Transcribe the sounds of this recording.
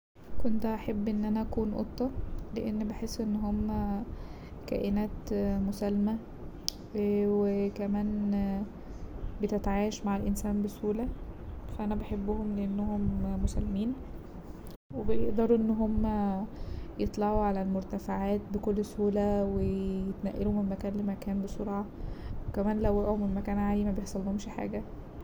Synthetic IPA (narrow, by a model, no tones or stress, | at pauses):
kont̪æʔæħebːʔenːʔænæʔækuːnʔo̰t̪ˤːɑleʔenːbeħesːʔenːɦomːæ | kæ̰ːʔenæːt̪mosælːmæ | wekæmæːn | bet̪et̪ʕaːjæʃmaʕelʔensæːnbesuːlæfæʔænæbeħebːohomleʔenːoɦomːosælːmiːn | webejḛʔd̪ɑɾˤuʔenːɦomːæ | jet̪ˤlɑʕuʕalælmoɾt̪æfaʕaːt̪̚bekolːsuːlæwejet̪næʔːeluhmenmækæːnlemækæːnbesˤoɾˤɑːʕwekæmæːnlæwʔæʔæhomenmækæːnʕaːlimæbejeħsˤɑlːhomʃiħa̰ːɡæ